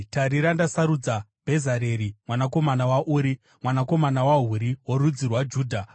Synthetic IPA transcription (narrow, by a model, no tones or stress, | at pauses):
taɾiɾandasaɾud͡zabʱe̞zaɾeɾimwanako̞manawaʔuːɾi | mwanako̞manawaɦuɾiwoɾud͡zirwad͡ʒuːdʱa